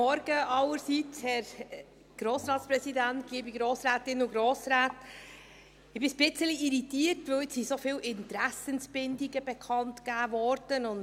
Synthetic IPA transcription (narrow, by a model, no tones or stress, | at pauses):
ɔɾɡ̥əʔɑləɾsiːt͡shɛɾ | ɡ̥ɾoːsɾɑːtspɾɛsidænt̚ɡ̥iːbiɡɾoːsɾæːtɪnuɡɾoːsɾæːt | ɪb̥isb̥ɪt͡səliʔiɾitiːəɾtʋɵwɪsisofiːlɪntɾæsənsb̥ɪndiɡəbɛkʰɑntkæːvɔɾd̥ənʊn